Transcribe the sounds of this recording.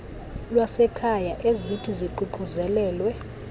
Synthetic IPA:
lwasɛkʰajaʔezitʰiziǃuǃʱuzɛlɛːlwɛ

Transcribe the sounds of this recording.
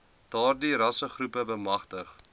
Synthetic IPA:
d̥ɑːrdiɾɐsəχrupəbəmɐχtəχ

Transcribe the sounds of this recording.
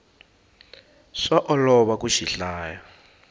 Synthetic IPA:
ʂaʔɔlɔβakuʃiɬaːja

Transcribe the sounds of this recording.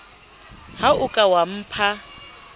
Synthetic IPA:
haʊkʼawam̩ːpʰa

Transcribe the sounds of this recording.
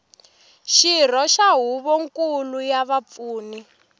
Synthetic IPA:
ʃir̤ɔʃaɦuβɔŋkulujaβap̪fuːni

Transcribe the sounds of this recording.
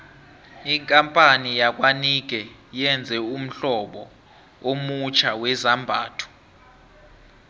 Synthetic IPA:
iŋkʼampʼanijak̬ʼwanik̬ʼɛjɛnd͡zʱɛum̩ɬɔɓɔ̰ | omut͡ʃʰawɛzambʱa̰ːtʰu̥

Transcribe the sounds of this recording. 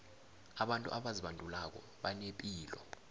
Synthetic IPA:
aɓantʼṵʔaɓaziɓandʱulak̬ɔ̰ | ɓanepʼiːlɔ̰

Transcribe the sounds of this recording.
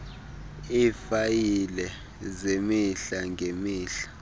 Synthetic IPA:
ifajilɛ | zemiɬaŋɡʱemiːɬḁ

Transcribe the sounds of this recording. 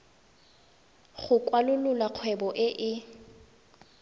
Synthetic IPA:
χʊkwalʊlʊlaq͡χʰwɛbɔʔɪʔɪ

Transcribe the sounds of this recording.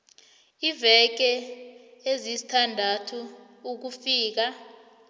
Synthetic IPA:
ivɛk̬ɛ | ezizi̥tʰandʱatʰu | uk̬ufiːk̬a

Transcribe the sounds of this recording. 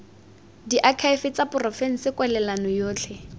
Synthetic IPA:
diʔakʰaɪfɪt͡sapʊrɔfeŋ̩sɪkwɛlɛlanɔjoːt͡ɬʰɛ

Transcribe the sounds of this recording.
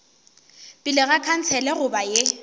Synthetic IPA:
bʼɪlɪɣakʰan̩t͡sʰɛlɛɣʊbaje

